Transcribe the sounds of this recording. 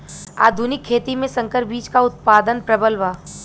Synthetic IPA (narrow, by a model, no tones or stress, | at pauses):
a̰ːd̪ʱunɪkʰːeːt̪imẽsɐ̃ŋkəɾbiːt͡ʃkaʊt̪̚paːd̪ənpɾɐbəlʋaː